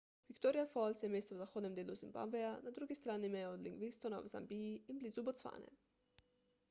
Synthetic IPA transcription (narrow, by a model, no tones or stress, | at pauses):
ʋikt̪oɾijafɔlt̪sjɛmeːst̪ɔwzaxoːd̪nɛmd̪eːluzimba̰bɛanad̪ɾuɡist̪ɾaːnimɛjod̪liŋɡʋinst̪ona̰wza̰mbijiinblizubɔt̪sfa̰ːnɛ̰